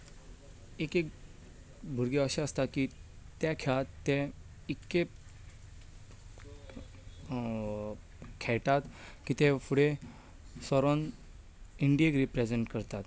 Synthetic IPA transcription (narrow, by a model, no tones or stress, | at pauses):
ekek | bʱuɾɡeəɕeəst̪aki | t̪jakʰɛɭat̪ːɛ̃ | ikːe | kʰɛɭʈ̪at̪kit̪efuɽe | sɔɾon | iɳɖijekɾipɾed͡zeɳʈkəɾt̪at̪